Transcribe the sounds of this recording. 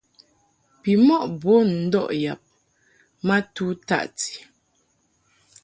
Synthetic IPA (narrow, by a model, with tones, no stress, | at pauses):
pi˨mɔ˦˨ʔbo˦n̩˦dɔ̰˦ʔja˨p̚ | ma˦tu˦ta̰˦˨ʔti̥˨